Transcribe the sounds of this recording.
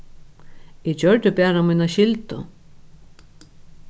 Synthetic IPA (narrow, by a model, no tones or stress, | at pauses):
ɛd͡ʑœɹt̪ʏpɛːɾamiːnaɕɪlt̪ʊ̰